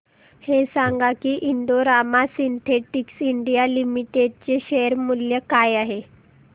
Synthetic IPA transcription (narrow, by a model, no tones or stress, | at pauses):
hesãŋɡakiːʔind̪oɾamasint̪ʰeʈiksiɳɖijalimiʈeɖ̚t͡ɕeɕeəɾmuljəkajaɦe